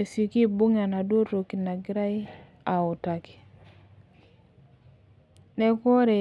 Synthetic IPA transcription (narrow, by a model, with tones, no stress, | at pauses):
e˨so˨ki˦bu˦ŋa˨na˨do˦ɾo˨ki˨na˨ɡɪ˦ɾa˦i˦ | a˨ʊ˨ta˨ki̥˨ | nɛ˦kɔ˦ɾe˨